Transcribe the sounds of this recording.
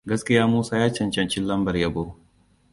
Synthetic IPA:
ɡɐ˦skʲɪ˦jaː˦muː˦saː˦jaː˦t͡ʃɐ˨nt͡ʃɐ˦nt͡ʃɪ˦nlɐ˦mbɐ˨rjɐ˦bo˦

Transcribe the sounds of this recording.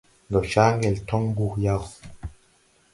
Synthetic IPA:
ɡɔ˨t͡ʃa˦ŋɡɛ˨ltɔ˦ŋ˦bu˦˨kja˦˨w

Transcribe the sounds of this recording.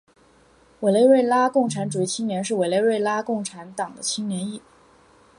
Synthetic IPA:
we˨˩ɪle˥˧ɪwe˥˩ɪla˥kʊ˥˩ŋʈ͡ʂʰa˧˥nʈ͡ʂu˨˩i˥˩t͡ɕʰi˥ŋnjɛ˧˥nʂ̬ɻ̩˥˩we˨˩ɪle˥˧ɪwe˥˧ɪla˥kʊ˥˩ŋʈ͡ʂʰa˧˥nt̪ɑ˨˩ŋd̪ə˦t͡ɕʰi˥ŋnjɛ˧˥ni˥˩

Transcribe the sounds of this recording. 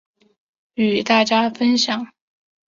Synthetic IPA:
y˨˩t̪a˥˩t͡ɕja˥fə˥nɕjɑ˨˩˦ŋ

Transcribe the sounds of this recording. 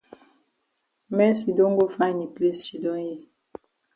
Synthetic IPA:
mɛ˦si˨do˦ŋɡo˦fa˦˨ni˨ple˦si˨dɔ˦je˦˨

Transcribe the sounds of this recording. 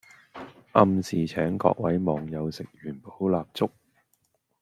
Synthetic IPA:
ʔɐ˧msiː˨˩t͡ʃʰɛː˨˥ŋkɔ̰ː˧k̚wɐ˨˥jmɔː˨˩ŋjɐ˨˧wsɪ˨k̚jyː˨˩npo˨˥wlaː˧p̚t͡sʊ˥k̚

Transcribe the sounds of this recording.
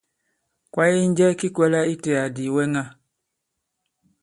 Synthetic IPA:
kwa˦ji˦n˦d͡ʒɛ˦ki˦kwɛ˦la˦i˦tɛ˨a˨di˨wɛ˦ŋa˦˨

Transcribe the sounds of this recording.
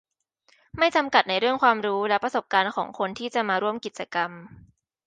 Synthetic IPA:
ma˥˩jt͡ɕa˧mka˨˩t̪̚na˧jɾɯ˥˩əŋkʰwaː˧mɾuː˦˥lɛ˦˥pɾa˧so˨˩p̚kaː˧nkʰɔː˩˦ŋkʰo˧nt̪ʰiː˥˩t͡ɕa˨˩maː˧ɾu˥˩əmki˨˩t̪̚t͡ɕa˧ka˧m

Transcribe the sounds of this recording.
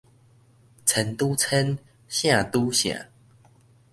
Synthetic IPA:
t͡sʰə˨˦nt̪u˦t͡sʰə˦n | ɕjã˥˨t̪u˦ɕjã̰˨˩˦

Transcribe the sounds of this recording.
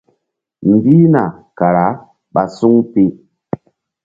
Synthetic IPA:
mɡi˦na˨ka˨ɾa˨˦ | ɓa˨su˦ŋpe˦

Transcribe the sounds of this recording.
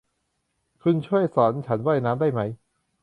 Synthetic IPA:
kʰu˧nt͡ɕʰu˥˩əjsɔː˩˦˥nt͡ɕʰa˦˥nwaː˥˩jnaː˦˥mdaː˥˩jma˦˥j

